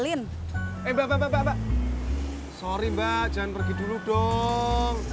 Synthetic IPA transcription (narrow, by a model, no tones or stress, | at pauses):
lɪn | embababababaʔ | soɾimbaʔd͡ʒanpərɡi̤duluɖ̥ɔ | ŋ